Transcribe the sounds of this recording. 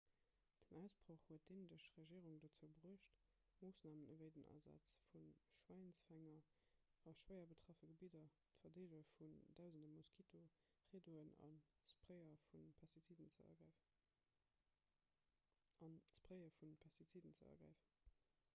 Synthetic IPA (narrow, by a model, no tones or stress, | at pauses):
d̥ənæʊsb̥ʁoχhuət̚d̥eːnədəʃʁeʒiːʁuŋdot͡səʊbəʁuːʃt | moːsnaːmənəvəɪdənʔa̰ːzɑ̰t͡sfunʃwæɪnsfæŋɐɑʃwəɪɐbətʁ̥ɑfəɡəbidɐ | tfɐdeːləfundæʊzəndəmuskʰitʰo | ʁeːdoənɑ̰nspʁəɪɐfunpʰɑstit͡sidənt͡səɐ̰ɡæ | ɑnspʁəɪəfunpʰɑstit͡sidənt͡səɐ̰ɡʁæ̰ɪfən